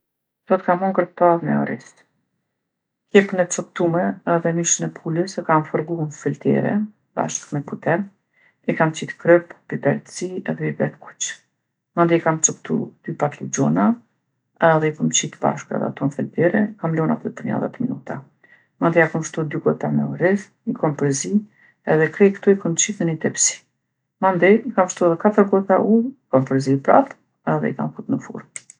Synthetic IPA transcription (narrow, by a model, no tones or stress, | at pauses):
sɔt̪kamɔŋɡəɾt̪aðmɛ̰ɔ̰ɾḭs | kjɛpnɛt͡sɔk̚t̪umɛɛðɛmiʃənɛpʰuləskamfɔɾɡunfilt̪ɛ̰ɾɛ̰ | ba̰ʃkmɛput̪ɛn | ikamt͡ʃit̪kɾœpbibɛɾt̪siɛ̰ðɛbibɛt̪ku̥t͡ʃ | mand̪ɛkamt͡sɔk̚t̪ṵd̪̥ypat̪lud͡ʑɔna | ðɛikəmt͡ʃit̪ba̰ʃkɾɛ̰ðɛ̰a̰t̪ɔnfɛlb̪ɛɾɛikamlɔna̰t̪ɔpəɾɲa̰ða̰t̪minut̪a | mand̪ɛjakəmʃt̪ud̪yɡɔt̪amɛuɾiθ | ikɔmpɾɛzi | ɛðɛkɾɛkt̪uikəmt͡ʃiθənit̪ɛpsi̥ | mand̪ɛikamʃt̪uɛðɛkat̪əɾɡɔt̪aʔuikɔmpɾɛzipɾa̰t̪ | ɛðɛ̰ḭka̰mkut̪nəfṵɾm